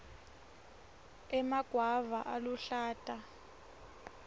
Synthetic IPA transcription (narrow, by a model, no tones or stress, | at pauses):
ɛmaɡ̥ʱwavaʔaluɬaːtʼa